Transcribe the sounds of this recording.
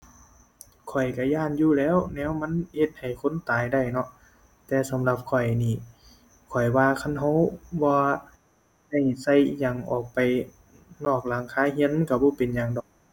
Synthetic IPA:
kʰɔ˨˩jka˧˩jaː˧˥˨njuː˧˨lɛː˧˥˨wnɛː˧˥˨wma˧˥˨nhe˧˩t̪̚ha˨˩jkʰo˧˥˨nt̪aː˨jda˧˩jnɔ˧ʔ | t̪ɛː˧sa˧˦mla˧p̚kʰɔ˨˩jniː˧˩ | kʰɔ˨˩jwaː˧kʰa˧˥˨nɦa˧˥˦wbɔː˧ | da˧˩jsa˧˩jɲa˧˩ŋʔɔː˨˩k̚pa˨j | nɔː˧˩k̚laː˨˦ŋkʰaː˧˥˨hi˧˥ə˨nka˧˩bɔː˧˦pe˨nɲaː˨˧˨ŋdɔ˨˩k̚

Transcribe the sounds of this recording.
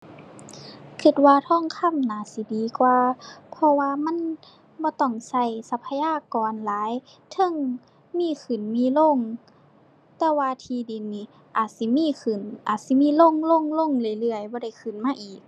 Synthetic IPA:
kʰi˧˩t̪̚waː˧t̪ʰɔː˧˥˨ŋkʰa˧˥˨mnaː˨˩si˨˦diː˨˦kwaː˧pʰɔ˧waː˧ma˧˥˨n | bɔː˧˦t̪ɔ˧˩ŋsa˧˩˨jsa˧˦pʰːa˧jaː˧˥˨kɔː˨nlaː˨˦j | t̪ʰɤ˧˥˨ŋ | miː˧˨kʰɯ˨˩nmiː˧˥˨lo˧˥˨ŋ | t̪ɛː˧waː˧t̪ʰiː˧di˨nːiː˧˨ | ʔaː˨˩t̪̚si˧˨˦miː˧˥˨kʰɯ˨˩nʔaː˨˩t̪̚si˧˦miː˧˥˨lo˧˥˨ŋlo˧˥˨ŋlo˧˥˨ŋlɯ˧˩˨jlɯ˧˩əjbɔː˧˦ɾa˧˩jkʰɯ˨˩nmaː˧˨ʔiː˨˩k̚

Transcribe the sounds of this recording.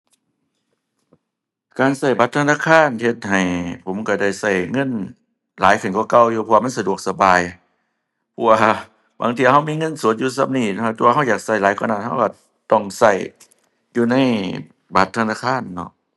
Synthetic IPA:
kaː˨nsa˧˩jba˧˦t̪̚ʰːa˧naː˧˥˨kʰaː˧˥˨nhe˧t̪̚ha˨˩jpʰo˨˦mka˧˩da˧˩jsa˧˩jŋɤ˧˥˨n | laː˨˦jkʰɯ˧˨nkɔː˧˩˦ka˧˩˨wjuː˧pʰɔ˧wa˧ma˧˥˨nsa˧du˨˩ək̚sa˧baː˨j | pʰɔ˧waː˧˩ | ba̰˧˦ŋt̪ʰiː˧˨˧ɦa˧˨wmiː˧˥˨ŋɤ˧˥˨nsu˨˦t̪̚juː˧sa˧˨m̚niː˧˩n˧a˧˩t̪u˧˦˧ɦa˧˩wjaː˨˩k̚sa˧˩jlaː˨˦jkɔː˧˦naː˧˩nha˧˥˩wka˧˩ | t̪ɔ˧˩ŋsa˧˩j | juː˧na˧˥˨j | ba˧˦t̪ʰːnaː˧˩kʰaː˧˥˨nːɔ̰˧ʔ

